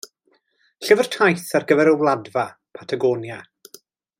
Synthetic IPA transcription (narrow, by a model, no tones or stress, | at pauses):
ɬɪvər̥tʰajθarɡəvɛɾəwlˠadva | pʰatʰaɡɔːnja